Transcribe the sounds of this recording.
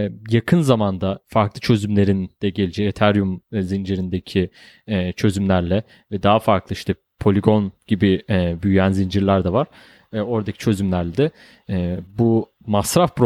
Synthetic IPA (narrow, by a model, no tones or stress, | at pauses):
jakʰɯnzamand̪afaɾklˠɯt͡ʃʰø̞zymlʲe̞ɾind̪̥ɛɟe̞lʲid͡ʒɛet̪ʰæɾjumzind͡ʒiɾind̪ecʰi | ɛːt͡ʃʰø̞zymlʲæɾlʲɛ | vɛd̪aɦafaɾklˠɯiʃt̪ʰɛ | pʰo̞lʲiɡo̞nɟ̥ibiɛbyjyjænzind͡ʒiɾlʲæɾd̪ɛvaɾ̥ | o̞ɾd̪acʰi̥t͡ʃʰø̞zymlʲæɾlʲɛd̪ɛ | ɛbu | masɾafpɾo